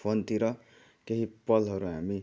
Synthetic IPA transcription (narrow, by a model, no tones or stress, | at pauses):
ont̪iɾʌ | keɦipʌlɦʌɾuɦami